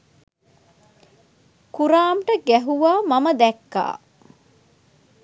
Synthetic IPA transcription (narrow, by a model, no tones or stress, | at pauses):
kuɾaːmʈəɡæɦuʋaːmɐməd̪ɛkːa̰ː